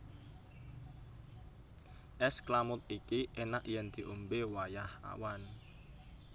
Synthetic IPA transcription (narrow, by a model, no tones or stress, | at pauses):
ʔɛsklamʊt̪̚ikiʔenaʔjɛnd̪̥i̤ʔombewajaha̰wan